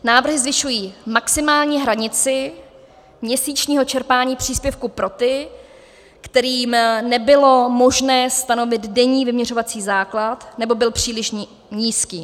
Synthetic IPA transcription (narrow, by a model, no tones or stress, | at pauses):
naːvr̩ɦɪzvɪʃujiːmaksɪmaːlɲiːɦɾaɲɪt͡sɪ | mɲɛsiːt͡ʃɲiːɦo̞t͡ʃɛɾpaːɲiːpr̥iːspjɛfkupɾo̞t̪ɪ | kt̪ɛɾiːmnɛbɪlo̞mo̞ʒnɛːst̪ano̞vɪd̪dɛɲiːvɪmɲɛro̞vat͡siːzaːklat̪nɛbo̞bɪlpr̝̥iːlɪʃ | ɲiːskiː